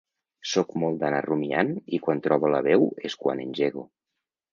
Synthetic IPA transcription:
sɔkmɔlˠd̪anarumia̰nikwant̪ɾɔβoləβɛweskwa̰nenʲʒeɣo

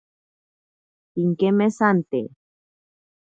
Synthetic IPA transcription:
iŋkemesant̪e

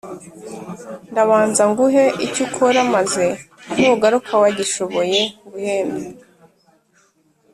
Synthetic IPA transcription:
ndaβaːnzaŋɡuɦe̞ʔicukʰoɾamaze̞ | n̥uɡaɾukʰawaɟiʃo̞βo̞je̞uβuheːnde

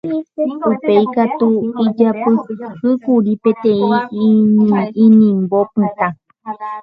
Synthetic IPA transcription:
upejkat̪uid͡ʒapɨhɨkuɾipet̪ẽĩ | ĩnĩmbopɨ̃t̪ã

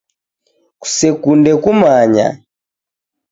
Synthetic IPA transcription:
ku̥sɛkundɛkumaɲa̰

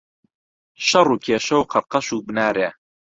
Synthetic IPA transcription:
ʃɐrˤuːkʰeːʃɐwqʰɑɾqɐʃuːbnaːɾeː

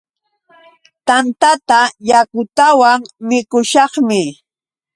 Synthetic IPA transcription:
t̪ant̪at̪ajakʊt̪awaŋmɪkʊʃɑχmɪ

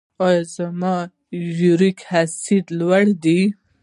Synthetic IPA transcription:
ɑjɑzamɑ | juɾikhasid̪lwaɽd̪i

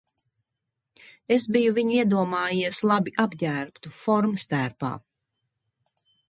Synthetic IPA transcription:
esbijuviɲuiɛd̪uɔmɑːjiɛslˠabiʔabɟæːɾpt̪ufɔɾmst̪æːɾpa̰ː

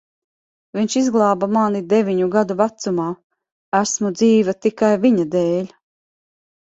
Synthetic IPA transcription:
viɲʃizɡlˠɑːbamanid̪evʲiɲuɡad̪uvat̪sumaː | æsmud̪ziːvat̪ikajviɲad̪ɛːlʲ

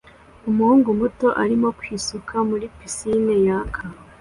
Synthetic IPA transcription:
umuhuːŋɡumuto̞ʔaɾimo̞kwiːsukʰamuɾipisine̞jaːkʰa

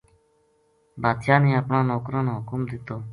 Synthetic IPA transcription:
bʱaːd̪ʃaːnẽːəpɳãːnoːkɾõːnõːɦʊkʊmd̪ɪt̪oː

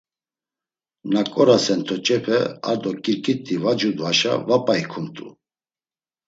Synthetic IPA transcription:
nakʼɔɾasɛnt̪ʰɔt͡ʃʼɛpʰɛa̰ɾd̪ɔkʼiɾkʼit̪ʼːivad͡ʒud̪uaʃa̰vapʼaikʰumt̪ʼṵ

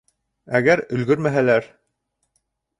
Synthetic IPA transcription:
æɡæɾɵ̆lɡɵɾmæɦælæɾ

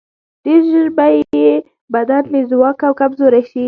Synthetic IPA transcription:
d̪̥eʒəɾbaje | bad̪anmezwɑkawkabzoɾaʃi

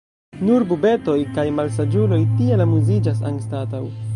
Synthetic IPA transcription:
nuɾbube̞to̞jkajmalsad͡ʒulo̞jtielamuzid͡ʒas̬a̰ŋstataw

